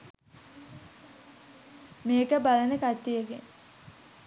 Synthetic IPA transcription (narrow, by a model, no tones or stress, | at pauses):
meːkəbalənəkat̪ːijeɡen